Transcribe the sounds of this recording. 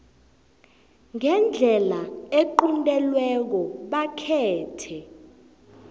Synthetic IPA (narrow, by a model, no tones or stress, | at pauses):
ŋɛnd͡ɮʱɛlaeǃuntʼɛlwɛk̬ɔɓakʰɛːtʰɛ